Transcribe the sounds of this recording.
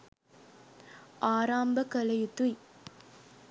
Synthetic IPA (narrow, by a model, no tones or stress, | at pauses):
aːɾaːmbəkəlɐjut̪uj